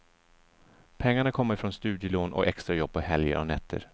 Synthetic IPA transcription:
pʰɛŋːaɳakʰɔmːaɾɪfɾoːnst̪ʉ̟ːd̪jəloːnʔɔ̰kɛkst̪ɾajɔb̚ːpːɔɦɛljə̰ɾʔɔ̰nɛt̪ʰːə̰ɾ

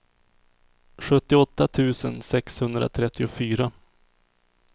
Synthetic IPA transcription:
ɧɵt̪ːɪɔt̪ːat̪ʰʉ̟ːsənsɛkshɵnd̪ɾa̰t̪ʰɾɛt̪ʰːɪʊfyːɾa

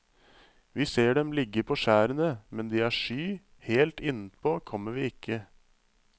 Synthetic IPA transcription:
ʋiːseːɖɛmlɪɡːəpʰɔːʂæːɾənəmɛnd̪iːæʂyː | heːlt̪ɪnəpʰoːkʰɔmːəʋiːɪkʰːə

